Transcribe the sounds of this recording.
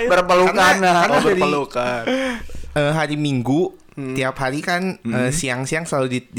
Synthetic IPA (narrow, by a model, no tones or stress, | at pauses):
bərbəlukkanaaabəadiəlukan | əːɦaɾimiŋɡu | t̪iapɦaɾikanəːsiaŋsiaŋsəaludid